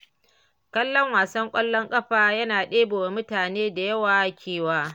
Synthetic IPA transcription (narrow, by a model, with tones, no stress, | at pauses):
kɐ˦lːɔ˦ŋwaː˨sɐ˦ŋkʷʼɐ˦lːɔ˦ŋkʼɐ˦ɸaː˨jɐ˦naː˨ɗeː˦boː˨wa˨mʊ˦taː˨neː˦da˨jɐ˦waː˨˦kʲʰeː˦˨waː˦